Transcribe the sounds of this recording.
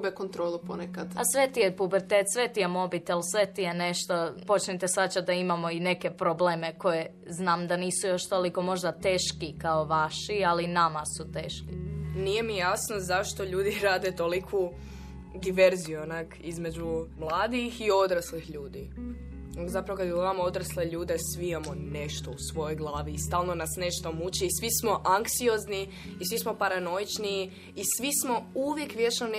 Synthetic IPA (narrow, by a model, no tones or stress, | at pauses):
bekont̪ɾoːlˠuponekad̪asʋet̪ijepubeɾt̪eːt̪sʋet̪ijemo̞bit̪elsʋe̞t̪ijeneʃt̪opo̞t͡ʃnit̪esat͡ɕad̪aimamo̞ine̞ke̞pɾobleːme̞ko̞je | znaːmd̪aniːsujo̞ʃt̪o̞liko̞mo̞ʒd̪at̪e̞ːʃkikaoʋaʃialinamasut̪eːʃkinije̞mijasnozaʃt̪o̞ʎuːd̪iɾaːd̪et̪olikʰu | d̪iʋe̞ɾzionakizme̞d͡ʒumlˠaːd̪ixio̞d̪ɾaslixʎuːd̪i | zapɾaʋokad̪jemamo̞d̪ɾasleʎuːd̪e̞sʋiimamo̞ne̞ʃt̪o̞usʋo̞jo̞jɡlˠaːʋiːst̪aːlˠno̞nasne̞ʃt̪o̞mut͡ɕiːsʋismo̞ʔaŋksio̞zniː | sʋismo̞paɾano̞jit͡ʃniː | sʋismo̞uʋjekʋjet͡ʃnone